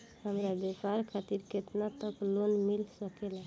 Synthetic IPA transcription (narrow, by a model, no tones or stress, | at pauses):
həmɾabepaɾkʰat̪iɾket̪nat̪əklonmilsəkela